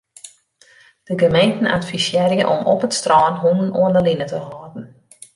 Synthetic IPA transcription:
d̥əɡəmejntn̩a̰tfisjɛrjə̰ʔɔmɔpətstrɔːnɦunənʔoəndəlinətəɦɔːdn̩

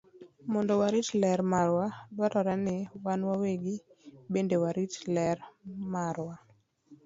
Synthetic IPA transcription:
mɔndɔwaɾitlɛɾmaɾwadwaɾʔɔɾanɪwanwaweɡɪbendewaɾitlɛɾmaɾwa

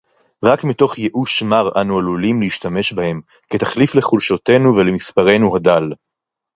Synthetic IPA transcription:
ʁakmito̞χjeʔuʃmaʁa̰nualulimleiʃtame̞ʃbahe̞m | ketaχlifleχulʃote̞nuvelemispaʁe̞nuhadal

